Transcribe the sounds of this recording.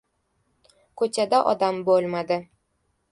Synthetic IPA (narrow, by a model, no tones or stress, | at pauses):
kʰɵt͡ʃad̪aʔɒ̰d̪ambolˠmad̪ɪ